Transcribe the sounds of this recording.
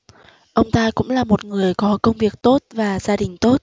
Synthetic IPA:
ʔə˧wŋ͡mt̪aː˧kʊ̰˧˥ŋ͡mlaː˨˩mo˨˩t̚ŋɨ˨˩əjkɔ˨˦kə˧wŋ͡mvi˨˩ək̚t̪o˦˥t̚vaː˨˩zaː˧ɗï˨˩ŋ̟t̪o˦˥t̚

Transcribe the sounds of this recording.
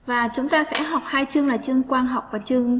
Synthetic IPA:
vaː˨˩t͡ɕʊ˨˦ŋ͡mt̪aː˧sɛ̰˧˥ɦɔ˨˩wk͡p̚haː˧jt͡ɕɨ˧əŋlaː˨˩t͡ɕɨ˧əŋkwaː˧nɦa˨˩wk͡p̚vaː˨˩t͡ɕɨ˧əŋ

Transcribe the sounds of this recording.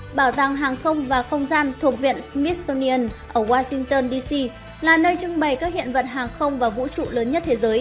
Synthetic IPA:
ɓaː˧˩wt̪a˧˩ŋɦaː˨˩ŋxə˧wŋ͡mvaː˨˩xə˧wŋ͡mzaː˧nt̪ʰu˨˩ək̚vḭ˧˨ənsmi˦˥t̚sɔ˧ni˧ʔə˧nʔəː˧˩waː˧si˧ŋt̪əː˧nɗi˧si˧ | laː˨˩nəː˧jt͡ɕɨ˧ŋɓə˨˩jkaː˦˥k̚hḭ˧˨ənvə̰˧˨t̚ɦaː˨˩ŋxə˧wŋ͡mvaː˨˩vṵ˧˥t͡ɕṵ˧˨ləː˨˦nɲə˦˥t̚t̪ʰe˨˦zəː˨˦j

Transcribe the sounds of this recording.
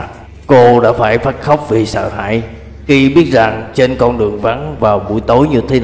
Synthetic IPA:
ko˧ɗa̰ː˧˥faː˧˩jfaː˦˥t̚xə˦˥wk͡p̚vi˨˩sə̰ː˧˨ɦa̰ː˧˨j | xi˧ɓi˦˥ət̚za˨˩ŋt͡ɕe˧nkɔ˧nɗɨ˨˩əŋva˨˦nvaː˨˩wɓṵ˧˩jt̪o˨˦jɲɨ˧t̪ʰe˨˦n

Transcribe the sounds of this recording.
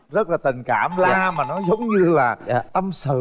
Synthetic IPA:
zə˦˥t̚laː˨˩t̪ï˨˩ŋ̟kaː˧˩mlaː˧maː˨˩nɔ˨˦zə˨˦wŋ͡mɲɨ˧laː˨˩t̪ə˧msɨ̰˧˨

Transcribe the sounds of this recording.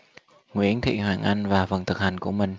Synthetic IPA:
ŋwḭ˧˥ənt̪ʰḭ˧˨hwaː˨˩ŋʔa˧jŋ̟vaː˨˩fə˨˩nt̪ʰɨ˨˩k̚ha˨˩jŋ̟ku˧˩əmï˨˩ŋ̟

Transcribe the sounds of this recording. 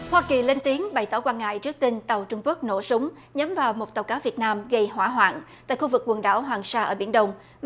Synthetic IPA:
hwaː˧ki˨˩le˧nt̪i˨˦əŋɓa˨˩jt̪ɔː˧˩kwaː˧nŋa̰ː˧˨jt͡ɕɨ˦˥ək̚t̪i˧nt̪ə˨˩wt͡ɕʊ˧ŋ͡mku˦˥ək̚no̰˧˩sʊ˨˦ŋ͡m | ɲə˨˦mvaː˨˩wmo˨˩t̚t̪ə˨˩wkaː˨˦wvi˨˩ət̚naː˧mɣə˧jhwa̰ː˧˩ɦwa̰ː˧˨ntt̪a̰ː˧˨jxu˧vɨ˨˩k̚ːwə˨˩nɗa̰ː˧˩wɦwaː˨˩ŋsaː˧ʔəː˧˩ɓi˧˩ənɗə˧wŋ͡m

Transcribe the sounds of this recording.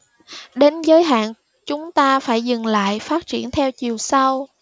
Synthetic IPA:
ɗe˨˦nzəː˨˦jɦa̰ː˧˨n | t͡ɕʊ˨˦ŋ͡mt̪aː˧faː˧˩jzɨ˨˩ŋla̰ː˧˨jfaː˦˥t̚t͡ɕi˧˩ənt̪ʰɛ˧wt͡ɕi˨˩əwsa˧w

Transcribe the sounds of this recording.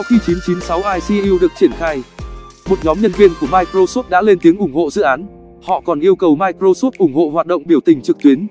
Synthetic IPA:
ɔ˨˦wxi˧t͡ɕi˨˦nt͡ɕi˨˦nsa˨˦wʔaː˧jsi˧ʔi˧ɗɨ˨˩ək̚t͡ɕi˧˩ənxaː˧j | mo˨˩t̚ɲɔ˨˦mɲə˧nvi˧ənku˧˩əmaː˧jkɾo˧so˦˥t̚ɗa̰ː˧˥le˧nt̪i˨˦əŋʔʊ˧˩ŋ͡mho̰˧˨zɨ̰˧˨ʔaː˨˦n | hɔ̰˧˨kɔ˨˩nʔi˧əwkə˨˩wmaː˧jkɾo˧so˦˥t̚ʔʊ˧˩ŋ͡mho̰˧˨hwaː˨˩t̚ɗə̰˧˨ŋ͡mɓi˧˩əwt̪ï˨˩ŋ̟t͡ɕɨ˨˩k̚t̪wi˨˦ən

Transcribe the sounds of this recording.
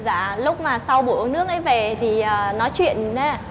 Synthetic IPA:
za̰ː˧˩˨lʊ˦˥k͡p̚maː˨˩sa˧wɓu˧˩ənɨ˦˥ək̚ʔə˨˦jve˨˩t̪ʰi˨˩əː˨˩nɔ˨˦jt͡ɕwḭ˧˨əna˨˦

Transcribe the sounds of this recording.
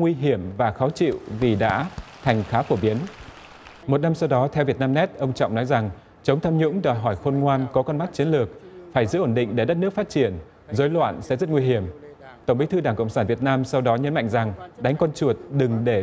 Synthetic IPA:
ŋwi˧ɦi˧˩əmvaː˨˩xaː˨˦wt͡ɕḭ˧˨wvi˨˩ɗa̰ː˧˥t̪ʰa˨˩jŋ̟xaː˨˦fo˧˩ɓi˨˦ən | mo˨˩t̚na˧msa˧wɗɔ˨˦t̪ʰɛ˧wvi˨˩ət̚naː˧mnɛ˦˥t̚ʔə˧wŋ͡mt͡ɕɔ̰˧˨ŋ͡mnɔ˨˦jza˨˩ŋ | t͡ɕə˨˦wŋ͡mt̪ʰaː˧mɲʊ̰˧˥ŋ͡mɗɔ˨˩jɦɔ˧˩jxo˧nŋwaː˧nkɔ˨˦kɔ˧nma˦˥t̚t͡ɕi˨˦ənlɨ˨˩ək̚faː˧˩jzɨ̰˧˥ʔo˧˩nɗḭ̈˧˨ŋ̟ɗe˧˩ɗə˦˥t̚nɨ˦˥ək̚fa˦˥t̚t͡ɕi˧˩ən | zəː˨˦jlwa̰ː˧˨nsɛ̰˧˥zə˦˥t̚ŋwi˧ɦi˧˩əmt̪ə˧˩wŋ͡mɓi˨˦jt̪ʰɨ˧ɗaː˧˩ŋkə̰˧˨wŋ͡msaː˧˩nvi˨˩ət̚naː˧msa˧wɗɔ˨˦ɲə˨˦nma̰˧˨ŋza˨˩ŋɗa˨˦jŋ̟kɔ˧nt͡ɕu˨˩ət̚ɗɨ˨˩ŋɗe˧˩

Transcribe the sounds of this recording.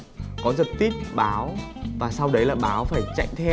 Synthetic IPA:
kɔ˨˦zə˨˩t̚t̪i˦˥t̚ɓaː˨˦wvaː˨˩sa˧wɗə˨˦jlaː˨˩ɓaː˨˦wfaː˧˩jt͡ɕa̰˧˨jŋ̟t̪ʰɛ˧

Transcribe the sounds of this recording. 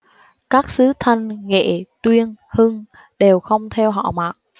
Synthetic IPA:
kaː˦˥k̚sɨ˨˦t̪ʰə˧nŋḛ˧˨t̪wi˧ənhɨ˧ŋ | ɗe˨˩wxə˧wŋ͡mt̪ʰɛ˧wɦɔ̰˧˨maː˨˩t̚

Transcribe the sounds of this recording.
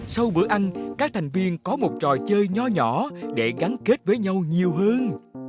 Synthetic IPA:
sa˧wɓɨ̰˧˩əʔa˧jŋ̟kaː˦˥k̚t̪ʰa˨˩jŋ̟vi˧ənkɔ˨˦mo˨˩t̚t͡ɕɔ˨˩jt͡ɕəː˧jɲɔ˧ɲɔ̰˧˩ɗe˧˩ɣa˨˦nke˦˥t̚vəː˨˦jɲa˧wɲi˨˩əwɦə˧n

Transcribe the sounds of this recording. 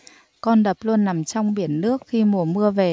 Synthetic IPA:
kɔ˧nɗə˨˩p̚lu˧ənːa˨˩mt͡ɕɔ˧wŋ͡mɓi˨˩ənːɨ˦˥ək̚xi˧mu˨˩əmɨ˧əve˨˩

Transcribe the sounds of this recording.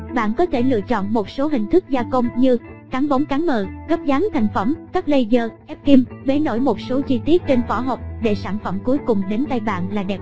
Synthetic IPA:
ɓa̰ː˧˨nkɔ˨˦t̪ʰe˧˩lɨ̰˧˨ət͡ɕɔ̰˧˨nmo˨˩t̚so˨˦ɦï˨˩ŋ̟t̪ʰɨ˦˥k̚zaː˧kə˧wŋ͡mɲɨ˧kaː˨˦nɓɔ˨˦wŋ͡mkaː˨˦nmə̰ː˧˨˩ɣə˦˥p̚zaː˨˦nt̪ʰa˨˩jŋ̟fə˧˩mŋ͡mkaː˦˥k̚lə˧jzəː˧ʔɛ˦˥p̚ki˧mɓe˨˩˦no̰˧˩jmo˨˩t̚so˨˦t͡ɕi˧t̪i˦˥ət̚t͡ɕe˧nfɔ˧˦ɦo˨˩k͡p̚ɗe˧˩saː˧˩nfə˧˩mku˨˦əjkʊ˨˩ŋ͡mɗe˨˦nt̪a˧jɓa̰ː˧˨nlaː˨˩ɗɛ˨˩p̚

